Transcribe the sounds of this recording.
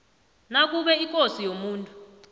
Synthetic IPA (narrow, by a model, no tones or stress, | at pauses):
nak̬uɓɛikʼosijomuːntʼu